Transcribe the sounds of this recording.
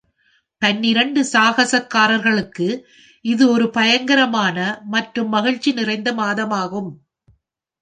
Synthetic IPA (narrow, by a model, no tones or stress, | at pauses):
t̪ɐnːɪɾɐɳɖɯsaːɣɐsɐkːaːɾɐɾɣɐɭɯkːɯ | ʔɪðɯɔɾɯpɐjɐŋɡɐɾɐmaːnɐmɐʈrɯmːɐɣɪɻt͡ʃːinɪrɐɪnd̪ɐmaːðɐmaːɣɯm